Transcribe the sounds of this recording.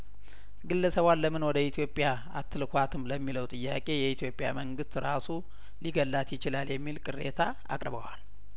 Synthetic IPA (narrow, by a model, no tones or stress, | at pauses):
ɡɨlːəsəβwalːəmɨnwɔd̪əit̪ʰijo̞pʼja | at̪ʰːɨlkʰʷat̪ʰɨmləmːiləwt̪ʼɨjːakʼe̞jɛit̪ʰjo̞pʼja̰məŋɡɨst̪ɾasu | liɡəlːat̪jɪt͡ʃɪlaljɛmːilkʼɨrːe̞̰t̪ʰa | a̰kʼɾbə̰wa̰l